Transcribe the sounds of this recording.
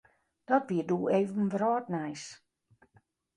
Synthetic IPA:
d̥ɔtʋiəduːeːvənʋrɔːt̚nɛjs

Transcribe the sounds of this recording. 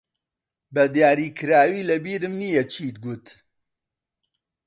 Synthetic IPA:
bɐd̪jaːɾiːkʰɨɾaːwiːlɐbiːɾɨmnijɐt͡ʃʰiːt̪̚ɡut̪

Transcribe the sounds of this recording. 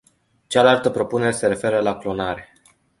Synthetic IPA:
t͡ʃalalt̪əpɾo̞pune̞ɾe̞se̞ɾe̞fe̞ɾəlaklo̞naɾe̞

